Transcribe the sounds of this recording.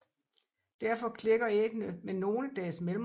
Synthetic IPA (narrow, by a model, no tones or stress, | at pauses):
d̥æɐfɒ̽kʰle̝ɡ̥ɐeɡ̥nəmenːo̝ːləd̥ɛːsmelm